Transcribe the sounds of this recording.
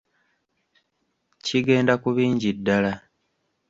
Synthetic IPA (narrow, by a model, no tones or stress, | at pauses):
ciɡe̞ːndakuβiːɲɟidːala